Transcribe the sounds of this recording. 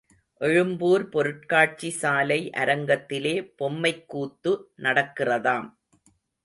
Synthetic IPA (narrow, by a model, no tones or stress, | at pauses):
ʔɛɻɯmbuːɾpɔɾɯʈ̚kaːʈ̚t͡ʃisaːlɐɪʔɐ̰ɾɐŋɡɐt̪ːɪleːpɔmːɐɪkːuːt̪ːɯnɐɽɐkːɪrɐðaːm